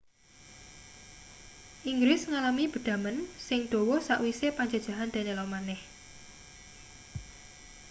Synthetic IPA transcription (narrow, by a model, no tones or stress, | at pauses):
ʔiŋɡɾɪsŋalamib̥ə̤d̪̥a̤mənsɪŋd̪̥o̤wɔsaʔwisepaɲd͡ʒad̥ʒ̥a̤ɦand̪̥a̤nelɔmanɛh